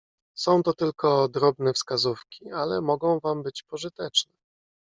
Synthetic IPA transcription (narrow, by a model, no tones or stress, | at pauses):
sɔ̃w̃t̪ɔt̪ɘlkʰɔd̪ɾɔbnɛfskazufkʲialɛmɔɡɔ̃w̃vambɘt͡ɕpɔʐɘt̪ɛt͡ʂnɛ